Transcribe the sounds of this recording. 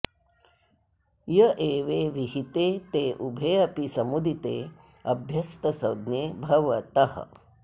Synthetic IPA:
jɐʔeːʋeːʋiɦit̪eːt̪eːʔubʱeːɐpisɐmud̪it̪ḛː | ɐbʱjɐst̪ɐsɐ̰wd̪neːbʱɐʋɐt̪ɐhə̰

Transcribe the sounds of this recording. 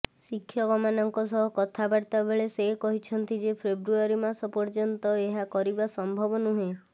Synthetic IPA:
sikʰːjɔɡɔmanɔŋkɔsɔɦɔkɔt̪ʰabaɽt̪abeɭesekɔɦit͡ʃʰɔnt̪id͡ʒepʰebɾuaɾimasɔpɔɾd͡ʒɔnt̪ɔeɦakɔɾibasɔmbʱɔbɔnuɦe

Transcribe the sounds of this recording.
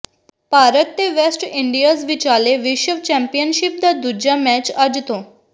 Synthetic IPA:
paɾət̪ːeʋesʈiɳɖijazʋit͡ɕaleʋiʃəʋt͡ɕɛ̃mpijənɕip̚d̪ad̪ud͡ʑamɛt͡ɕad͡ʑt̪o

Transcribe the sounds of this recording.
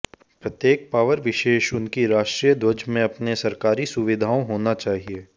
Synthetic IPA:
pɾɐt̪jeːk̚paːʋəɾʋɪʃeːʃʊnkiɾaːʃʈɾiːjəd̪ʱwɐd͡ʒmẽɐpnesɐɾkaːɾisʊʋɪd̪ʱaːõɦoːnat͡ʃaːɦieː

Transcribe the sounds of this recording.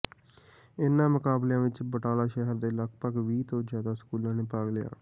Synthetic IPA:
ɪnːãːməkaːbljãːʋɪt͡ʃbəʈaːlaːʃɛɦəɾd̪eːləɡpəɡʋiːt̪õːzjaːd̪aːsə̥kuːlãːneːpaːɡlɪja̰ː

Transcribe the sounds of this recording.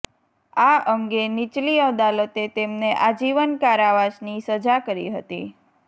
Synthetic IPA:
aəŋɡenit͡ʃliəd̪alət̪et̪emneʔad͡ʒiʋənkaɾaʋaʃnisəd͡ʒakəɾḭɦə̰t̪ḭ

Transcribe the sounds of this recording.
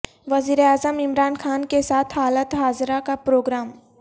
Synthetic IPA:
ʋɐziːɾeaːzəmɪmɾaːnxaːnkesaːt̪ʰɦaːlət̪ɦaːzɾakapɾoːɡɾaːm

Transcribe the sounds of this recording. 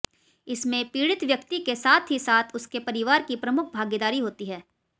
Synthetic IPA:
ɪsmẽpiːɽɪt̪ʋjɐkt̪ikesaːt̪ʰɦisaːt̪ʰʊskepɐɾɪʋaːɾkipɾɐmʊk̚ʰbʱaːɡed̪aːɾiɦoːt̪iɦɛː

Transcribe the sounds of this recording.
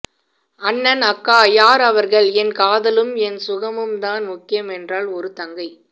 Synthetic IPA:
ɐnːɐnɐkːaːjaːɾɐʋɐɾɣɐɭɛnkaːðɐlɯmɛnsʊɣɐmɯmt̪aːnmʊkːɪjɐmɛndraːlɔɾɯt̪ɐŋɡɐɪ

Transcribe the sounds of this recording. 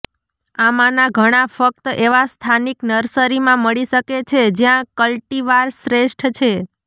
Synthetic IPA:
amanaɡʱəɽ̃afək̚t̪əʔeʋast̪ʰaniknəɾsəɾimãməɭiʃəket͡ʃʰed͡ʒjãkəlʈiʋaɾsɾeʃʈʰt͡ʃʰe

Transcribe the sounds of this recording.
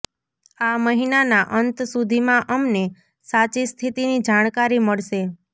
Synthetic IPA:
aməɦinanaʔənt̪sud̪ʱimãʔəmne | sat͡ʃist̪ʰit̪inid͡ʒaɽ̃kaɾiməɭʃe

